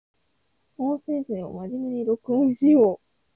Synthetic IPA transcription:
õːsẽɰ̃sẽo̰mad͡ʑimeɲiɾokɯoiɕijoː

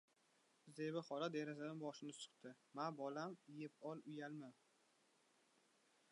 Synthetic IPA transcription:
zd̪ebɪχɒɾad̪eɾazad̪anbɒʃɪnɪsʊ̥χt̪ʰɪ | manbɒlamɪjɪpɒlˠʊjalma

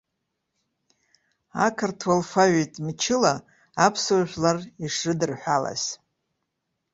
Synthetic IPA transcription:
a̰kʰartʰwalfaɥejtʼmt͡ʃʰɪlaː | pʰsuwʒʷᶣlariʂɨdɨrħʷᶣala̰z̥

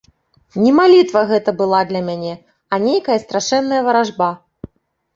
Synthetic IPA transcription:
nʲɛmalʲit̪vɐɣɛt̪ɐbɨlˠad̪lʲɐmʲanʲɛ | ɐnʲejkɐjɐst̪ɾaʂɛnːɐjɐvɐɾaʐba

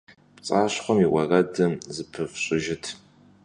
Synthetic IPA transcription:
pt͡sʼaːɕχʷɔmiwɐradɨmzɨpʰɨfɕʼɪʒɪtʰ

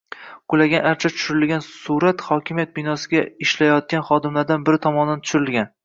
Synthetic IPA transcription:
ɡ̥ʊlaɡʲanaɾt͡ʃʰat̪ʰʊ̥ʃʊɾɪlɡʲansuɾat̪χɒkʲʰɪmijat̪̚bɪnɒsɪɡʲaɪʃlajɒt̪̚kʲanχɒd̪ɪmlaɾd̪anbɪɾɪt̪ʰɒmɒnd̪ant̪ʰʊ̥ʃʊɾɪlɡʲan

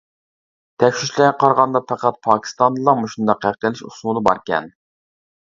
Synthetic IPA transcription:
t̪ʰɛkʲʃiʃlæɡɛqʰɑɾʁɑnd̪ɑpʰæqæt̪̚pʰɑːkʲʰi̥st̪ɑnd̪ɨlˠɑmuʃund̪ɑqːæχt̪əlɪʃṵsmulˠɨbɑɾkʲɛ̰n

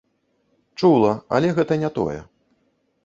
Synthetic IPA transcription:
t͡ʂulˠɐɐ̰lʲɛɣɛt̪ɐnʲɛt̪ɔ̰jɛ̰

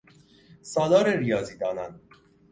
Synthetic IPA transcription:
sɒːd̪ɒːɾeɾijɒːziːd̪ɒːnæn

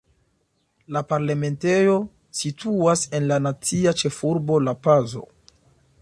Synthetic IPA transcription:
lapaɾlame̞nte̞jo̞ | sitʰuase̞nlanat͡siat͡ʃe̞fuɾbo̞lapazo̞̰

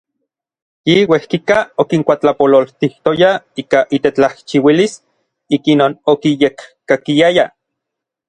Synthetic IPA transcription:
jiwehkikaokiŋkʷat͡ɬapololt̪iht̪ojaiːkaʔit̪et͡ɬaht͡ʃiwilis | ikinoːnokijekkakiaja

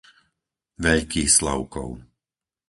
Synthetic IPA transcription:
ʋɛʎkiːxslɔ̰ʊkɔ̰ʊ

